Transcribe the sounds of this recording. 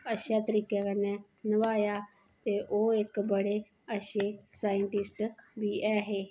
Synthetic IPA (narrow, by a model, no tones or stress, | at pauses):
əʃat̪əɾiːkekənɛ | nəʋaːja | t̪eʔoekbəɽe | əʃesaːjəɳʈɪsʈbʱiʔɛːɦeː